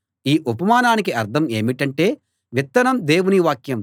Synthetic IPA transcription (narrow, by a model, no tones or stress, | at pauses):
iːʔupɐmaːnaːnikiɐɾt̪ʰɐme̞ːmiʈɐɳʈe̞ː | ʋit̪ːɐnɐmd̪e̞ːwuniʋaːkjɐm